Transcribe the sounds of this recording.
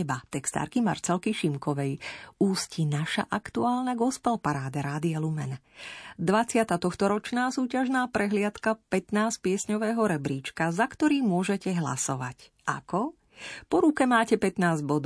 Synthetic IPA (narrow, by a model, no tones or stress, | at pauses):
ɛbat̪ɛkst̪a̰ːɾkima̰ɾt͡sɛlkiʃimkɔʋɛjuːscinaʃa̰ʔakt̪uaːlnaɡɔspɛlpaɾaːd̪aɾaːd̪ialumɛnd̪ʋat͡sɪat̪at̪ɔxt̪ɔɾɔt͡ʃnaːsuːcaʒnaːpɾɛɦlɪat̪kapɛt̪naːsc̚pɪɛsɲɔʋɛːɦɔɾɛbɾiːt͡ʃkazakt̪ɔɾiːmʊɔʒɛcɛɦla̰sɔʋa̰c | ʔa̰kɔ | pɔɾukɛmaːcɛpɛt̪naːzɟbɔd̪